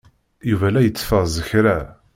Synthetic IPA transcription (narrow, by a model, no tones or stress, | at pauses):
juvælæjət͡sːfəzəçɾæ